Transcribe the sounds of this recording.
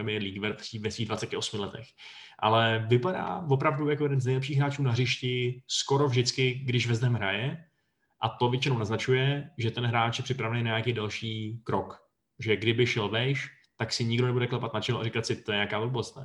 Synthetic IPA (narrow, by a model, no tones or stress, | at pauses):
ɛmɪjɛɾliːɡvɛɾpr̥ivɛsviːɡdvat͡sɛcɪʔo̞smɪlɛt̪ɛx | ʔa̰lɛvɪpada̰ːvo̞pɾavdujakojɛdɛnznɛjlɛpʃiːxɦɾaːt͡ʃuːnaɦrɪʃcɪsko̞ɾovʒdɪt͡skɪɡdɪʒvɛzd̪ɛmɦɾa̰jɛ | ʔat̪ovjɛt͡ʃɪnownaznat͡ʃujɛʒɛt̪ɛnɦɾaːt͡ʃjɛpr̥ɪpɾavɛnejnaɲakijdɛlʃiːkɾok | ʒɛɡdɪbɪʃɛlvɛʃ | t̪aksɪɲɪɡdonɛbudɛklɛpat̪nat͡ʃɪloʔaɾikat̪sɪt̪ojɛɲeakaːvolbolst̪na